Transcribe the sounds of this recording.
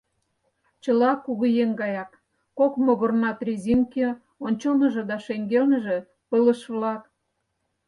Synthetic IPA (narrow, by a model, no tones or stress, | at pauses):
t͡ɕə̆lɑkuɣujeŋɡɑjɑkː | okmoɣərnɑt̪rʲizimke | onʲt͡ɕonə̆ʒĕd̪ɑʃeŋɡelnə̆ʒe̽ | pələ̆ʃβlɑk̚